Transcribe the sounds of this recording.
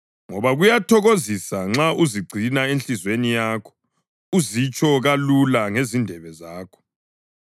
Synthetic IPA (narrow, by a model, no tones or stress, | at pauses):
ŋɔβaɣujatʰɔɣozisaŋ͡ǁauziɡ͡ǀʱinaenɬizwenijaːkʰɔ̥ | uzit͡ʃʼɔɣalulaŋezindʱɛβɛzaːkʰɔ̥